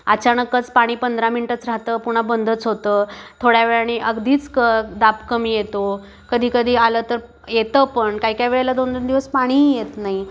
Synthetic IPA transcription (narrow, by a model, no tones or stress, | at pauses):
ət͡ɕaɳəkːət͡spaɽ̃iːpənd̪ɾaminiʈət͡sɾaɦt̪əːpuɽ̤̃abənd̪ʱət͡sɦot̪əːt̪ʰoɽjaʋeɭañiʔəɡd̪ʱiːt͡skəd̪apkəmiːjet̪o | kəd̪ʱiːkəd̪ʱiːalət̪əɾ | jet̪əpəɳkaɦikjaʋeɭelad̪ond̪ond̪iʋəspaɽ̃iːjet̪naɦi